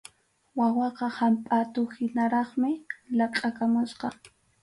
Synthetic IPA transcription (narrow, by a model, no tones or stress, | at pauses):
wawɑqɑhampʼat̪ʊhɪnaɾɑχmɪlɑqʼakamʊsqɑ